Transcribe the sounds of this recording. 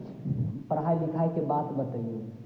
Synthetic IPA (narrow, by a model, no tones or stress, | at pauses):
pəɾɦajlikʰajkebat̪bət̪əju